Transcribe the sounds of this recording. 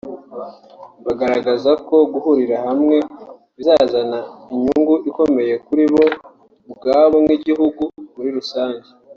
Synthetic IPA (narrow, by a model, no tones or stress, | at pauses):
βaɡaɾaɡazako̞ɡuhuɾiɾahamŋe̞ | βizaːzanaiɲuŋɡuʔiko̞me̞je̞kuɾiβo̞ | ub̚ɡaːβomŋiɟiɦuɡuβuɾiɾusaːɲɟe